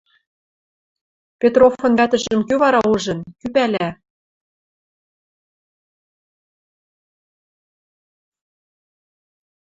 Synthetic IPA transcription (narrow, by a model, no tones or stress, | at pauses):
pʲet̪rofŏnvæt̪ə̆ʒə̆mkøβɑɾɑuʒɤ̆nkypælæ